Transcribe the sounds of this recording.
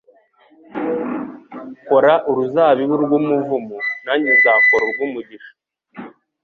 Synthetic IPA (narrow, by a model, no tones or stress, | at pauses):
ko̞ɾaʔuɾuzaːβiβuɾɡumuvumunaɲizaːkoɾoɾɡwumuɟiʃḁ